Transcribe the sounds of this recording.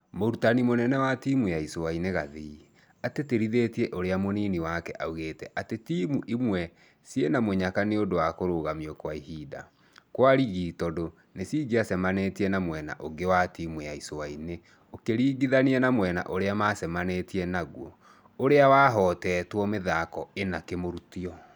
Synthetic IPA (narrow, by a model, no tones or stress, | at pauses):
moɾutanimonɛnɛwatiːmujaisowaineɣaði | ateteɾiðeːtiɛʔoɾeamoniːniwakɛ̰ʔauɣeːtɛʔatetiːmuʔimwɛ | sijenamoɲakaneodowakoɾoɣamiɔkwaihiːda̰ | kwaɾiɣitɔdo | nesiːɡeasɛmanetiɛnamwɛna̰ʔoɡewatiːmwjaisowaine | okeɾiːɡiðaniɛnamwɛna̰ʔoɾeamaːsɛmanetiɛnaɣwɔ | oɾeawaɦɔːtɛːtwɔmeðakɔenakemoɾutiɔ